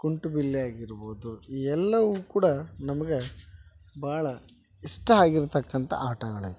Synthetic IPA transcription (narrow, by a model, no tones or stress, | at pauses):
kuɳʈubilːiaːɡiɾboːd̪uiːɛlːɐʋukuːɽɐnɐmɐɡe | bʱaːɭɐ | iʂʈɐaːɡiɾt̪ɐkːɐnt̪ɐ̰ʔaːʈɐɡɐɭɐ̰